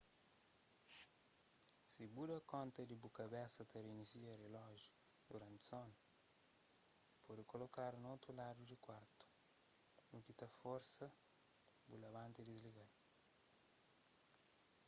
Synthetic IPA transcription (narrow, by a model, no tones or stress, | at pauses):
sibudɐkɔ̃nt̪ɐd̪ibukɐbɛsɐt̪ɐɾiniziɐɾelɔʒud̪uɾãnt̪son | pɔd̪ikolokaɾunowt̪ɾulad̪ud̪ikwaɾt̪u̥ | bukit̪ɐfɔɾsɐ | bulɐβãnt̪ed̪iliβɛ